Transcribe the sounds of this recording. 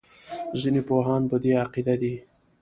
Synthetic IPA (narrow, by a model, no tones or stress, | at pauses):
zinepoɦɑːnpəd̪eaqid̪ad̪i